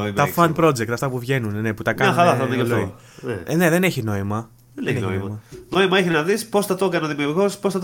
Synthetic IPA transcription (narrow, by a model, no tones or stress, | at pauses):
t̪ɐfɐnpɾo̞d͡zd͡ʒekt̪ɐft̪ɐpuvʝe̞nunne̞put̪ɐkɐɲɐxɐɾɐθɐekɐloi | nḛne̞ðe̞neçino̞imɐ | ðeneeoiɐmɐno̞imɐeçinɐðispo̞sθɐt̪o̞kɐneoðimiuuɾɣo̞sposθɐt̪